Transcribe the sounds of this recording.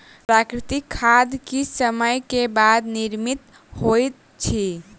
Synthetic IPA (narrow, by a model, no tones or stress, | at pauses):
pɾakɾit̪ikʰːad̪kisəməjkebad̪niɾmit̪ | hojt̪ | t͡ʃʰi